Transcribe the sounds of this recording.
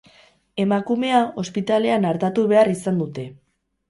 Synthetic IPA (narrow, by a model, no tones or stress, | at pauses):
e̞makume̞ao̞spit̪ale̞anaɾt̪at̪uβe̞arisand̪ut̪e̞